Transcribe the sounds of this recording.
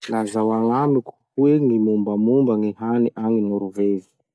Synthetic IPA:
lazawaŋamiku̥hueŋimumbamumbaŋiɦaniʔaŋinuɾuvevi̥

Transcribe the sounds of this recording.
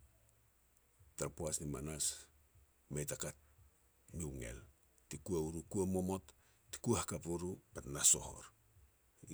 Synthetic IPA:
taɾpuasnimanas | mejtakat̚ | miwŋḛl | tikuauɾukuamo̞mo̞t | ti̥kuahakapuɾupatnaso̞̰ho̰ɾ

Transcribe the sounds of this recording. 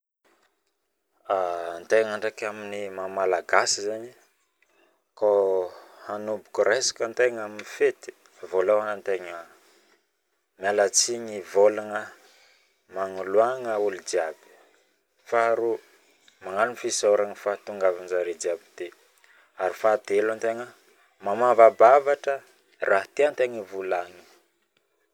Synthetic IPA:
ant̪eŋaɳɖ͡ʐakaminimamalaɡasizani | ko | hanubukuɾesḁkənt̪eŋaminifet̪i̥ | volawanənt̪eŋə | mialat͡siɲivolaŋə | maŋuluaŋəulid͡ʒiabi̥ | faɾu | maŋalunfisaɾaŋifat̪uŋɡavanzaɾed͡ʒiabid̪e | aɾifad̪elant̪eŋə | mamavabavaʈ͡ʂə | rʔaɦt̪eant̪eŋəvulaŋi

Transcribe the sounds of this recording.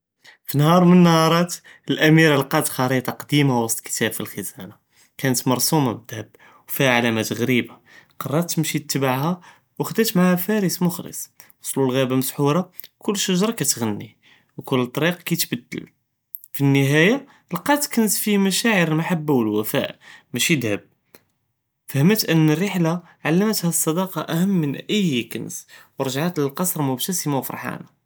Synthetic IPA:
finhɑɾˤmənːhɑɾˤɑt̪ | əlʔæmiɾəlqɑt̪xɑɾit̪ˤɑqd̪imawɑsˤt̪ˤkə̥t̪æbfilxəzæna | kænət̪mɑɾˤsumabəd̪həb | wfihaʕalæmæt̪ɣɾibaqɑrˤːɑt̪ːəmʃit̪ːbaʕhæ | wəxd̪æt̪maʕhæfæɾismʊxlə̰sˤwɑsˤlulɣæbaməsħuɾˤɑkʊlːʃəʒɾˤɑkæt̪ɣænːḭ | wkʊlːət̪ˤɑɾiqkæjt̪bəd̪ːə̰l | finːəɦæja | lqɑt̪kənsfimæʃæʕəɾəlmaħabːawəlwæfæ̰ʔmæʃid̪həb̚ | fæhəmət̪ʔənːərːiħla | ʕalːəmət̪hæsˤːɑd̪ɑqɑʔæhəmːənʔəjkə̰nswɾˤʒʕat̪ləlqɑsˤɾˤmʊbt̪æsəmawfɾˤħa̰na

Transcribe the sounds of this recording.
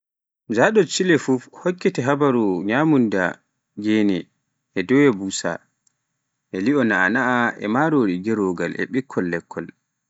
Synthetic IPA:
d͡ʒaɗɔt͡ʃilɛfufhɔkːɛtɛɦabaɾuɲaːmunda̰ | ɡeːnɛ | ʔɛdɔwɛbuːsa̰ | ʔɛliɔna̰ːnaaɛ̰maɾoːɗiɡɛɾoːɡa̰lʔɛ̰ɓikʰːɔlːɛkʰːɔl

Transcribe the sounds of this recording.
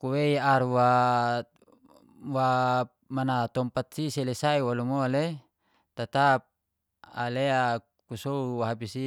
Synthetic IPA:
kuweiaɾwa | wa | manat̪ɔmpat̪̚siselesaiwalumoale | t̪at̪ap̚ | alea | kusouwaɦapisi

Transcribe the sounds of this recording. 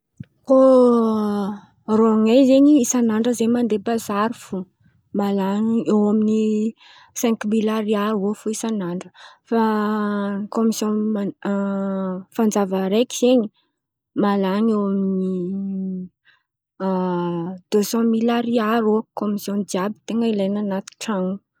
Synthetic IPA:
ko | roŋejzeɲiisanaɳɖ͡ʐəzemand̪epazaɾufu | malanewamini | sɛ̃ŋkmilaɾiaɾofuisanaɳɖ͡ʐəfa | komisjɔ̃ma | fand͡zavəɾekiz̥eɲi | malanewamini | d̪̥øsɑ̃milaɾiaɾokomisjɔ̃nd͡ʒ̪iabi̥t̪eŋəilajnanat̪i̥ʈ͡ʂaŋu

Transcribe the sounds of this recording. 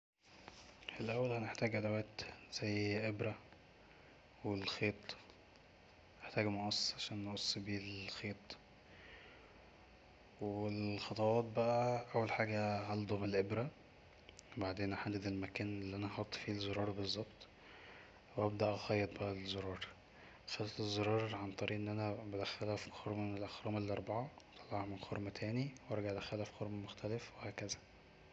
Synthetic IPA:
ʔelʔæwːælhæneħt̪æːɡʔæd̪æwæːt̪z̥æjːʔebɾæ | welxeːt̪ˤ | neħt̪æːɡmoʔɑsˤʕaʃæːnːeʔosˤːbiːlxeːt̪ˤ | weelxɑt̪ˤɑwɑːt̪̚bæʔæʔæwːælħaːɡæʕɑld̪ˤomelʔebɾæ | baʕd̪eːnʔæħad̪ːæd̪elmækæːnelːiʔænæxɑt̪ˤːfiːlzːoɾˤɑːɾˤbezˤːɑbt̪ˤ | wʔæb̚d̪æʔxɑjːet̪ˤbæʔæzoɾˤɑːɾˤ | xælt̪ezːoɾˤɑːɾˤʕant̪ˤɑɾiːʔenːʔænæbæd̪æxælæfxoɾmænelʔæxɾˤɑːmelːiʔɑɾˤbɑʕɑwet̪ʰˤɑlːɑʕʕmenxoɾmæt̪ʰæːniwɑɾˤɑɡaʕd̪æxælæfxoɾmæmoxt̪ʰælefwehæːkæzæ̥

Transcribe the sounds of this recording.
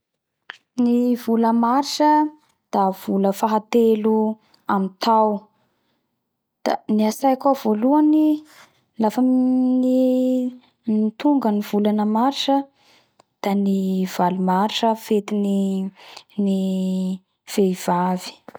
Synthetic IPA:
nivuləmaɾiʈ͡ʂə | d̪̥av̥uləfaɦat̪elu | amint̪aw | d̪̥a̰niasajakavoluani | lafəni | mit̪uŋɡənivulanəmaɾiʈ͡ʂə | d̪̥aniv̥alumaɾiʈ͡ʂəfet̪ini | ni | v̥eiv̥avi̥

